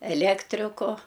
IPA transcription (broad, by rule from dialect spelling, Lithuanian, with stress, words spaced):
ɛˈlʲæːktʲrʲɪkʊ